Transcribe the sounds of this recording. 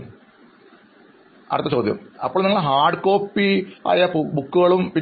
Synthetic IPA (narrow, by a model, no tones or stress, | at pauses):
ɐ̰rɨt̪ːɐt͡ɕo̞ːd̪jɐ̰mɐ̰pːoːniŋːɐɭɦaːɖɨko̞ːpːia̰ːjɐbukːuɣɐɭumpi